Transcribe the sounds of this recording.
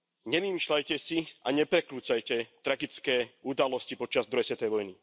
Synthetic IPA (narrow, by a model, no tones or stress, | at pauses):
ɲɛʋimiʃlajcɛsiaɲɛpɾɛkɾuːt͡sajcɛt̪ɾaɡit͡skɛːud̪alɔscipɔt͡ʃazd̪ɾɔjɛsɛt̪ɛjʋɔjni